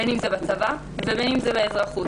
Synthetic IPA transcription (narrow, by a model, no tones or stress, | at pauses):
enimzebat͡sava | vebenimzebeezʁaχu